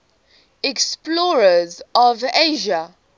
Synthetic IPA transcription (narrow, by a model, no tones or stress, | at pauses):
ɛksplɔɹəzɔveʒa